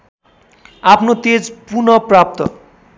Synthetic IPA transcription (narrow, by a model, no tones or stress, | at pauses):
apʰnot̪ed͡zpunʌprap̚t̪ʌ̰